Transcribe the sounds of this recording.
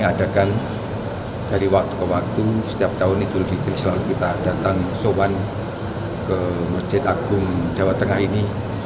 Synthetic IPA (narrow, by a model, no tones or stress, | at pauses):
ŋad̥a̤kan | d̥a̤ɾiwak̚t̪u̥kəwak̚t̪usə̥t̪iap̚t̪aʊnid̪̥ulfikɪlsəlalukit̪ad̥at̪aŋsowan | kəmər̥d͡ʒ̥ɪt̪aɡ̥ʊmd͡ʒ̥a̤wat̪ːəŋahini